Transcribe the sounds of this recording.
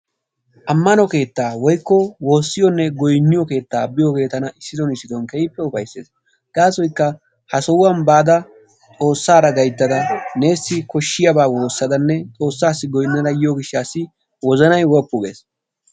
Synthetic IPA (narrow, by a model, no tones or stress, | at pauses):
ʔɐmːɐnɔke̞ːt̪ːaːwɔjkːɔwo̞ːsːɪjɔnːɛɡɔjnːɪjɔke̞ːt̪ːa̰ːbɪjɔke̞ːt̪ːɐnɐɪsːɪd̪ɔnɪsɪd̪ɔnkɛjpːɛʊfɐjsːe̞̰ːs | ɡ̪̥aːsɔjkːɐ | hɐsɔwɐnbaːd̪ɐ | t͡sʼo̞ːsːaːɾɐɡɐjt̪ːɐd̪ɐne̞ːsːɪkɔʃːɪjɐbaːwo̞ːsːɐd̪ɐnːɛt͡sʼo̞ːsːaːsːɪɡɔjnːɐɾɐjɪjɔɡɪʃːaːsːɪ | wɔzɐnɐjwɔpːʊɡe̞̰ːs